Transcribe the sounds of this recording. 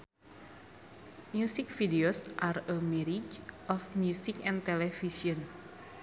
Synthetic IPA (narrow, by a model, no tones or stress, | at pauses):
mjusɪkfideosʔarəmɛɾid͡ʒʔɔfmjusikɛ̃nt̪ɛlefiʃiən